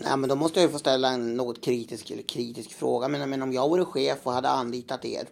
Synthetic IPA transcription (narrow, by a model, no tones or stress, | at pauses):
nɛ̰mɛnd̪ɔmɔst̪əjajɵfoːst̪ɛlːaɛnːoːɡɔt̪kʰɾiːt̪ɪskɛ̰ləkʰɾiːt̪ɪskfɾo̰ːɡamɛnmɛnɔmjɑːɡvaɾɛɧeːfɔhad̪ːə̰anliːt̪at̪ḛːɾ